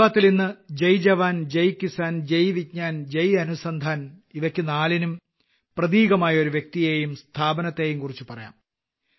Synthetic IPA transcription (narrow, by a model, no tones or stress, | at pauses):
aːt̪ːilninːɨd͡ʑɐjd͡ʑɐʋaːnd͡ʑɐjkisaːnd͡ʑejʋit̚ɲaːnd͡ʑejɐnusɐnd̪ʱaːniʋɐkʲːɨnaːlinum | prɐðiːɣɐmaːjɐo̞ɾuʋjek̚t̪ijeːjumst̪ʰaːbɐnɐt̪ːe̞ːjumkurit͡ɕːupɐrɐja̰ːm